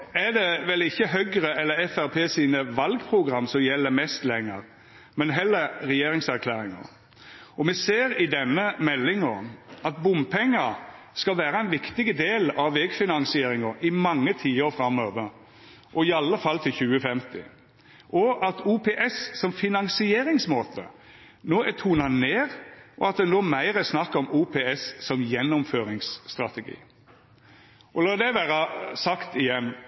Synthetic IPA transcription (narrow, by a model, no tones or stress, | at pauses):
æd̪ɛʋɛlɪçːəɦœʏɡɾəɛlːəɾɛfæɾpʰeːsiːnəʋɑlɡpʰɾʊɡɾɑmːsɔmjɛlːəmɛst̪lɛŋːə̰ɾ | mɛnɦɛlːəɾɾɛjeːɾɪŋsæɾkʰlæːɾɪŋə̰ɾ | ɔmɛseːɾɪd̪ɛnːəmɛlːɪŋɔɑt̪bʊmpʰɛŋːɑ | skɑlʋæːɾəɛnʋɪkt̪ɪɡəd̪eːlɑʋʋɛɡfɪnɑŋsɪeːɾɪŋɑɾɪmɑŋːət̪ʰiːoɾfɾɑmoːʋəɾ | ʔɔɪɑlːəfɑlt̪ʰɪlçʉːəfɛmt̪ɪ̰ | ʔɔɑt̪uːpʰeːʔɛssɔmfɪnɑŋsɪeːɾɪŋsmoːt̪ʰə̰ | noːæt̪ʰuːnɑneːʁʔɔ̰ɑt̪̚d̪ɛnoːmæɪɾəsnɑkːɔmuːpʰeːɛssɔmjɛnːʊmføːɾɪŋsːt̪ʁɑt̪ɛɡḭː | ʔɔlɑːd̪ɛʋæːɾɑsɑkt̪ɪjɛnː